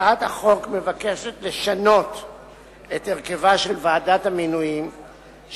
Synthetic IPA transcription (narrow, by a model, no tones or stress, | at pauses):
athaχo̞kme̞vake̞ʃet̪le̞ʃano̞t | eteʁke̞vaʃe̞lvaːdathaminujim | ʃ